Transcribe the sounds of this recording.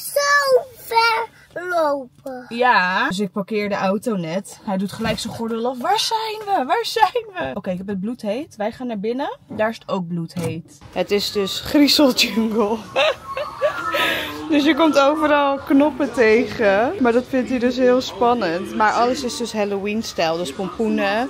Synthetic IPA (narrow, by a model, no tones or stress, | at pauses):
sowfɛɹ | lowpəjaːs̬ɪk̚pɑkɪːɹdəʔawtownɛtɦɛjdutχəlɛjksənχɔɹdɪlˠɔfʋaːɹzɛjnʋəʋaːɹzɛjnʋəʔowkejɪkɛpɦətd̚blutɦejtʋɛjχaːnaːɹbɪnədaːɹɪsə̥towɡ̚blutɦejt | ɦətɪsdøsχrisəlˠd͡ʒøŋɡəlˠ | dɵsjəkɔmtowvəɾɑlˠknɔpətejχəmaːɹdɑtfɪntidɵs̬ɦɪːlˠspɑnəntmaːɹʔɑləsɪsdɵsɦɛlowinstɛlˠdəspɔmpunə